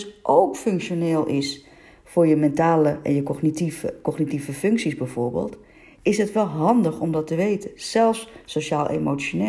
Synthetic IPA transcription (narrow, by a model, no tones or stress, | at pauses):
sʔoːkføŋkʃjoneːlˠʔɪs | fʊrjəmɛntaːləʔɛ̰njəxnitivkɔxnitivəfʏŋksisbɛjfʊːrbḛːlˠt | ɪsɦətʋɛlˠɦɑndəxɔmdɔtəʋeːtʰəsɛlˠfsːoʃaːlˠʔḛmot͡sjone